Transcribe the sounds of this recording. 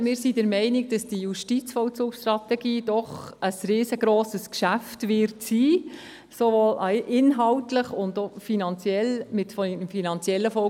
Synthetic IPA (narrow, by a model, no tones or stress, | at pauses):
mɪːɾsidəɾmɛɪnɪk̚d̥ɑsd̥ijuʃtit͡sfɔwt͡suːkʃtɾɑtɛɡiːd̥ɔχəsriːsəɡɾoːsəskʃæftʋɪrtsiː | soʋoːlɑʔɪnɦɑwtləχʊndofinɑnt͡sjɛlmɪtfɔmfinɑnt͡sjɛlːəfɔ